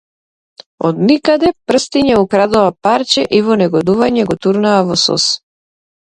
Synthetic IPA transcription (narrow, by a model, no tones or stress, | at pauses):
ɔd̪nikad̪ɛpr̩st̪iɲɛukɾad̪ɔvapaɾt͡ʃɛʔivɔnɛɡɔd̪uvaɲɛɡɔt̪uɾnaːvɔsɔ̰s